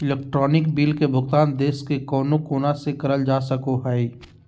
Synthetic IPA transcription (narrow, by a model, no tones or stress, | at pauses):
ɪleːk̚ʈɾɔːnɪkbiːlkebʱʊɡt̪aːnd̪eːskekɔːnokoːnasekɐɾəld͡ʒaːsəkoɦɛi